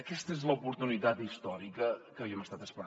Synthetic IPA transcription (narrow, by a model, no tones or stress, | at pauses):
əkɛst̪əezləupuɾt̪unit̪at̪ist̪ɔɾikəkəβiəməst̪at̪əspəɾ